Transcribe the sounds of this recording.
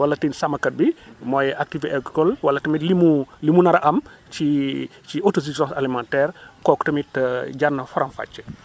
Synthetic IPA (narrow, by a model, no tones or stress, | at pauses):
wɐlːɐtinsɐmɐkɐt̚bimɔjʔak̚tivɛkkɔlwɐlːɐtɐmitlimulimunɐɾɐʔɐmt͡ʃit͡ʃiotos̬isɔsalimãntɛːrkɔːktɐmitːɟarnːɐfɔɾɐmfa̰t͡ʃːɛ̥